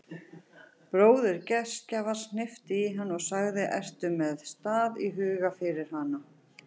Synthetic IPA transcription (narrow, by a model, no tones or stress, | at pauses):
pɾoːwðɪɾcɛscavaɾ̥snɪft̪ɪiɦanːɔɣsaɣðɪʔɛr̥t̪ʏmːɛðst̪aːðiɦʏːɣafɪɾɪɾ̥hana